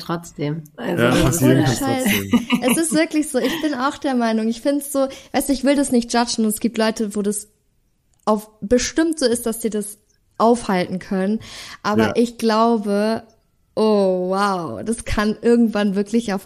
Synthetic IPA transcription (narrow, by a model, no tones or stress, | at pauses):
tʁ̥ɔt͡sd̥eːmʔa̰lzʃaɪsʔɛsɪstv̥ɪɐklɪçz̥oːɪçb̥ɪnaʊxd̥eːɐmaɪnʊŋɪçfɪntsz̥oːvaɪstʊɪçv̥ɪldasnɪçt̚d̥ʒ̥ad͡ʒn̩ʊntɛsɡ̥iːp̚tlɔʏtəvoːdas | ʔaʊfb̥əʃtɪmtz̥oːɪstd̥asz̥iːɐdas | ʔaʊfhaltn̩kʰœnənʔaːbɐʔɪçɡ̥laʊbə | ʔoːwaʊd̥askʰanʔɪɐɡŋ̩tv̥anvɪɐklɪçaʊf